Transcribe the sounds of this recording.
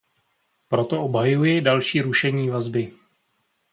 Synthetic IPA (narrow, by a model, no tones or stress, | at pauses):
pɾo̞t̪o̞ʔobɦajujɪdalʃiːɾuʃɛɲiːvazbɪ